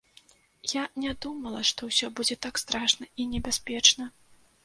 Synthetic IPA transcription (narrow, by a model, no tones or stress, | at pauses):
janʲad̪umɐlˠɐʂt̪ɔwsʲɔbud͡zʲɛt̪akst̪ɾaʂnɐinʲɛbʲasʲpʲɛt͡ʂnɐ